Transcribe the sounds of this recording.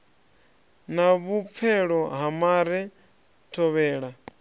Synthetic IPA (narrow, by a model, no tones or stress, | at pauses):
naβup̪fʰɛɺɔɦamaɾɛ | tʰɔβɛːɺa